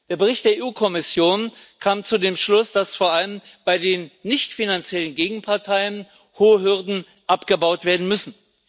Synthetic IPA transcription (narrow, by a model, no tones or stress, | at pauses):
d̥eːɐbəʁ̞ɪçtd̥eːɐʔeːʔuːkʰɔmɪsjoːnkʰaːmt͡sudeːmʃlʊsd̥asfoːɐʔaləmb̥aɪdeːnːɪçtfinant͡sjɛlənɡeːɡŋ̩pʰaɐtʰaɪən | hoːɦʏɐdn̩ | ʔapɡ̥əbaʊtv̥eːɐdn̩mʏsn̩